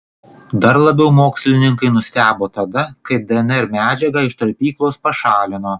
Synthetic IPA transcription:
d̪ɐɾlˠɐbʲɛʊmoːksʲlʲɪnʲɪŋkɐɪnʊsʲt̪ʲæːboːt̪ɐd̪ɐkɐɪp̚d̪ʲɛɛnɛɾmʲæːd͡ʒʲɛɡɑːɪʃt̪ɐɾʲpʲiːklˠoːspɐʃɑːlʲɪnoː

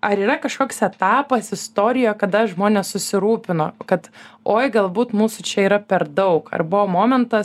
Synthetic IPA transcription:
ʔɐɾiːɾɐkɐʃkoːksɛt̪ɑːpɐsɪst̪oːɾʲɪjojkɐd̪ɐʒmoːnʲeːssʊsʲɪɾuːpʲɪnoːkɐt̪oːjɡɐlˠbuːt̪muːsʊt͡ʃʲɛiːɾɐpʲɛɾd̪ɐʊkɐ̰rbʊʋoːmoːmʲɛnt̪ɐs

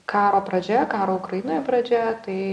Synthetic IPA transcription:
kɑːɾoːpɾɐd͡ʒʲɛkɑːɾoːʊkɾɐjɪnoːjɛpɾɐd͡ʒʲɛt̪ɐɪ

